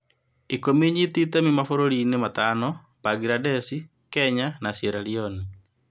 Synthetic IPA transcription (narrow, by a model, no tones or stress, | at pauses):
ikomiɲititemimafoɾoɾinematanɔ | b̥aɡɾadɛsi | kɛɲanasjeɾaɾioni